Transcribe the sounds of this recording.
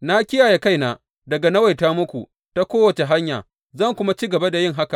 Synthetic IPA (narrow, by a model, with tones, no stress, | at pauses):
na˦kʲɪ˦jaː˨je˨ka˦jnaː˨ | dɐ˨ɡa˨nɐ˦wa˨jtaː˦mʊ˦kʷu˨ | ta˦kʷoː˦wɐ˨t͡ʃe˨ɦa˦ɲja̰ː˨ | zɐ˦˨ŋkʷʊ˦ma˦t͡ʃiː˦ɡɐ˨ba˦da˨jɪ˦˨ŋɦa˦ka˨ʔ